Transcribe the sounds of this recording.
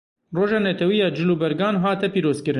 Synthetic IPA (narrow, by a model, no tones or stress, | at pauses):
roːʒɑːnɛt̪ʰɛwijɑːd͡ʒɪluːbɛɾɡɑːnɦɑːt̪ɛpiːɾoːzkɨɾɨ